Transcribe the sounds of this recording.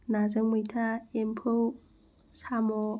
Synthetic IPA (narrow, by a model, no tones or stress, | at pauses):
nazɯŋmɯjtʰaempʰɯw | samɔ